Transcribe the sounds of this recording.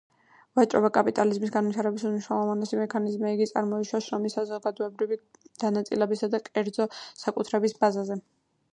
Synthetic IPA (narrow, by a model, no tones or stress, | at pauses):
vat͡ʃʼɾɔ̰bakʼapʼit̪ʼalizmisɡanwit̪ʰaɾɛbisuniʃɾalˠɔvanɛsimɛkʰanizmiiɡit̪sʼaɾmɔiʃwaʃɾɔmisazɔɡad̪ɔɛbɾivid̪̥anat̪sʼilɛbisad̪akʼɛɾd̪zɔsakʼut̪ʰɾɛbisbazazɛ